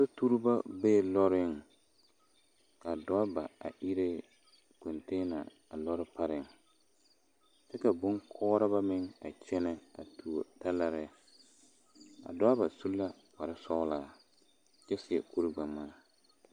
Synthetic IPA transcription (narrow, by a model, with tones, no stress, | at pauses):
so˦tu˦ɾba˦beː˦˨lɔ˦ɾɪ˦ŋ | ka˨dɔ˦a˦ba˨a̰˨ʔi˦ɾe˦ | ko˨nteː˦na̰˨ | a˨lɔ˦ɾɪ˦pa˦ɾɪ˨ŋ | tɛ˦ka˨bʊ˦ŋkʰɔː˦ɾa˦ba˦mɪ˦ŋa̰˨t͡ʃɛ˦nɛ˦a̰˨tu˨o˨ta˦la˦ɾɪ˦˨ | a̰˨dɔ˦a˦ba˨su˦lːa˦ | pa˨ɾɪ˦sɔ˦laː˨˦˨ | t͡ʃɛ˦sɪ˨ɛ̰˨ku˦ɾɪ˦ɡ͡ba˨mːaː˦